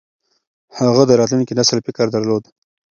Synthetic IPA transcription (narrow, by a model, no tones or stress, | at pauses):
haɣad̪əɾɑt̪lunkenasəlpɪkɑɾd̪aɾlod̪